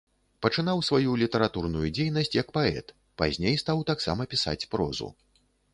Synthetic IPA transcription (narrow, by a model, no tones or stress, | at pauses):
pɐt͡ʂɨnawsvajulʲit̪ɐɾat̪urnujud͡zʲejnɐsʲt͡sʲjɐkpaɛ̰t̪ | pa̰zʲnʲejst̪awt̪aksa̰mɐpʲisa̰t͡sʲpɾɔ̰zṵ